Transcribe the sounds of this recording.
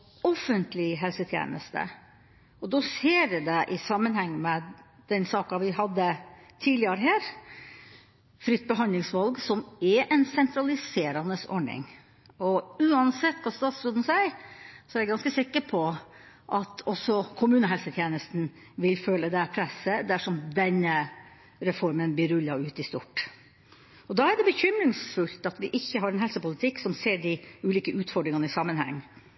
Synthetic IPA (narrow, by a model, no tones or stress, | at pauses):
ɔfənt̪lɪɦɛlsət̪ʰjḛːnə̰st̪ə̰ | ɔd̪ɔseːɾd̪ɛʔɪsɑmːənhɛŋːmɛ | d̪̥ɛnsɑːkɑʋɪɦɑd̪ːət̪ʰiːd̪lɪəɾəɦæːɾ | fɾʏt̪̚ːbəɦɑnd̪lɪŋsʋɑlɡsɔmɛʔɛnsɛnt̪ʰɾɑlɪseːɾɑnəsɔ̰ɖɳɪ̰ŋ | ɔʉːɑnsɛt̪ːkʰɑst̪ɑːt̪sɾɔd̪n̩sæɪsɔæɾjæɡɑnskəsɪkːəɾpʰɔ | ʔɑt̪ʰɔsɔkʰʊmʉːnəɦɛlsət̪ʰjeːnəst̪n | ʋɪlfœlːəd̪ɛpʰɾɛsəd̪æʂɔmd̪ɛnə | ɾɛfɔɾmənblɪɾʉlːɑʉːt̪ɪst̪ʊ̰ʈ | ɔd̪ɑːæɖɛbəçʏmɾɪŋsfʉlt̪ɑt̪ʋɪʔɪçːəɦɑɾɛnɦɛlsəpʊlɪt̪ʰɪksɔmseːɖɪʉːliːkəʔʉːt̪fɔɖɾɪŋɑnəɪsɑmːənhɛ̰ŋː